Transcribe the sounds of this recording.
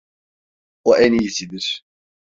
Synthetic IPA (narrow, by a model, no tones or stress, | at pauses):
oʔɛnijisid̪iɾ̥